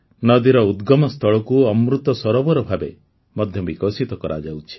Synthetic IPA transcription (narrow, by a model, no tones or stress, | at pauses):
nɔd̪iɾɔud̪ɡɔmɔst̪ʰɔɭɔkuɔmɾut̪ɔsɔɾɔbɔɾɔbʱabe | mɔd̪ʱjɔbikɔsit̪ɔkɔɾʔa̰d͡ʒawt͡ʃʰi̥